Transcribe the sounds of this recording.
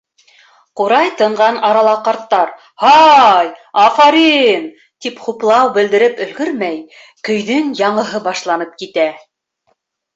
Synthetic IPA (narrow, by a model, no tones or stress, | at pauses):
quɾɑjt̪ɤ̆ɴɢɑnɑɾɑlˠɑqɑɾt̪ːɑɾ | hɑjɑfɑɾin | t̪ipχuplˠɑwbɘ̆ld̪ɘ̆ɾɘpɵ̆lɡɵɾmæj | kɵ̆jðɘŋjɑɴɤ̆ɦɤbɑʃlˠɑnɤp̚kit̪æ